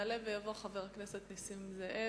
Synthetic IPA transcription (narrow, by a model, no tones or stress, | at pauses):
alevejavo̞χave̞ʁakne̞set̪nisimzaʔe